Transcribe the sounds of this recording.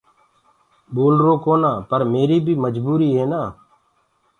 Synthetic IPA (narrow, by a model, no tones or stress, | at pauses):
boːlɾoːkoːnãːpəɾmeːɾiːbʱiːməd͡ʒbuːɾiːɦeːnaː